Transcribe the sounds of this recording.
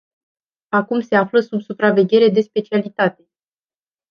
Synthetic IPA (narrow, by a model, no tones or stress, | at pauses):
akumse̞afləsubsupɾave̞ɡʲe̞ɾe̞d̪e̞spe̞t͡ʃialit̪at̪e̞